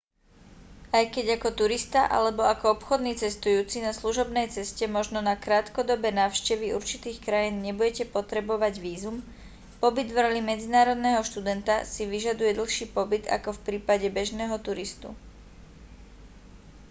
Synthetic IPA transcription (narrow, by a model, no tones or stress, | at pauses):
ajkɛɟakɔt̪uɾist̪aʔa̰lɛbɔakɔɔpxɔd̪niːt͡sɛst̪ujuːt͡sinasluʒɔbnɛjt͡sɛscɛmɔʒnɔnakɾaːt̪kɔd̪ɔbɛnaːʊʃcɛʋiuɾt͡ʃit̪iːxkɾajiːnɲɛbuɟɛcɛpɔt̪ɾɛbɔʋaɟʋiːzum | pɔbid̪vɾɔlimɛd͡zinaːɾɔd̪nɛːɦɔʃt̪ud̪ɛnt̪a̰siʋiʒad̪ujɛd̪l̩xʃiːpɔbid̪a̰kɔfpɾiːpaɟɛbɛʒnɛːɦɔt̪uɾist̪ṵ